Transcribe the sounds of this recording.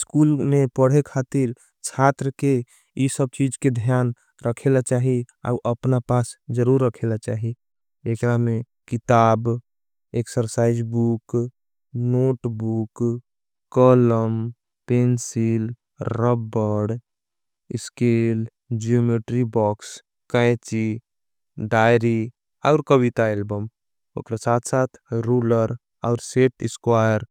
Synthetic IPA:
skulmepəɽ̤ekʰaːt̪iɾ | t͡ʃʰat̪ɾəke | isəb̚t͡ʃid͡ʒked̪ʱjaːn | ɾəkʰelat͡ʃaːɦi | a̰uʔəpnapaːsd͡ʒəɾuɾːəkʰelat͡ʃaːɦi | ekɾamẽ | kɪt̪aːb | eksəɾsaːɪd͡ʒbuk | noːʈbuk | kɔləm | peːnsil | ɾəbəɽ | ɪskeːl | d͡ʒiomeʈɾibɔːks | kə̃jt͡ʃi | ɖaːjɾi | ɔːɾkəwit̪aelbəm | ʊ̰kɾasaːt̪ʰsaːt̪ʰɾuːləɾ | ɔːɾseːʈɪskwaːjəɾ

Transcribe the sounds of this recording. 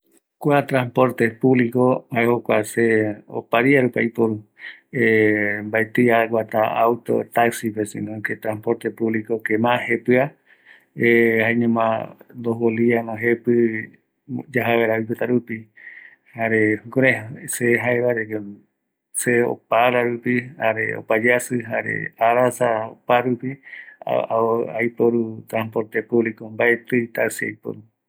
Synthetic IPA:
kʷat̪ɾãmpoɾt̪epuβlikohaeɦokʷaseo̰paɾiaɾupaipoɾuembaet̪iaɡʷwat̪aawt̪o̰t̪aksipesḭ̃nõket̪ɾãmpoɾt̪epuβlikokemãhepɨa | ehaeɲẽmãnd̪oɦwolianõɦepɨ | d͡ʒaɦaβeɾaipet̪aɾupi | haɾekoɾeseɦaeβaɾeke | seo̰paɾaɾupihaɾḛo̰pad͡ʒasɨɦaɾḛaɾasaopaɾupḭ | ajpoɾut̪ɾãnpo̞ɾt̪epuβlikombaet̪ɨit̪asea̰jpo̰ɾu

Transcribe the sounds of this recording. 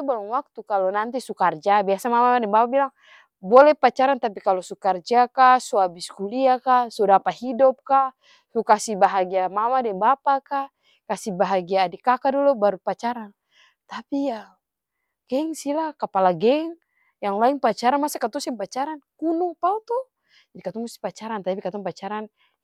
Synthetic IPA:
t̪ubaɾuŋwak̚t̪ukalɔnant̪isukard͡ʒabiasamamaadɛŋbapabilaŋ | bɔlɛpat͡ʃaɾant̪apikalɔsukard͡ʒakasuabiskuliakasudapahidɔp̚ka | sukasibaɦaɡiamamadɛŋbapaka | kasibaɦaɡiaːdikakadɔlɔbaɾupat͡ʃaɾan | t̪apija | ɡ̥ɛŋsilakapalaɡɛŋ | jaŋlaiŋpat͡ʃaɾanmasakat̪ɔsɛpat͡ʃaɾankunupaut̪ɔ | d͡ʒadikat̪ɔŋmust̪i̥pat͡ʃaɾant̪apikat̪ɔŋpat͡ʃaɾan

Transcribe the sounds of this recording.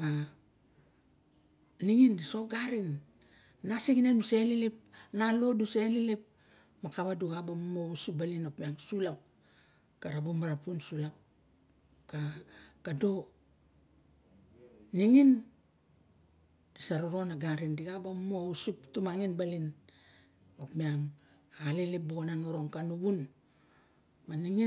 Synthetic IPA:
a | niŋindisoɡaɾinː | asiɡinenuselilep̚nalo̞duselilep̚ | makaβaduɡabamousubalinapiaŋsulap̚ | kaɾabomaɾapunsulap̚ | kakado | niŋin | disaɾuɾonaɡaɾindiɡabamousuptumaŋinbalin | opmiaŋ | alelep̚boonanoɾo̞ŋkanuβun | maniŋi

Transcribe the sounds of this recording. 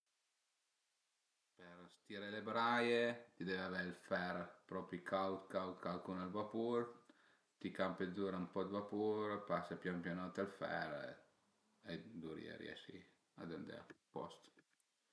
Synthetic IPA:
peɾst̪iɾelebɾajet̪id̪ɛvaveilfɛɾpɾɔpɾikʰawt̪kawt̪kalkunalvapuɾ | t̪ikampezuɾampɔd̪vapuɾpasapjampjonɔt̪alfɛ̰ɾ | ed̪uɾḭɛ̰ɾj̰ɛ̰ʃḭ | a̰d̪end̪ḛpɔ̰st̪

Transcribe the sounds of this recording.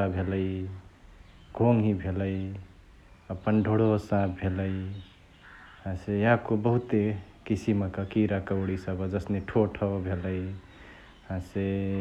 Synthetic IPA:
abʱeləi | ɡʱoŋɦibʱeləi | əpənɖʱoɽosãbbʱeləi | hãsejãkobəɦut̪e | kisimkəkiɾakəwɽisəbəd͡ʒəsneʈʰoʈʰɔbʱeləj | hãse

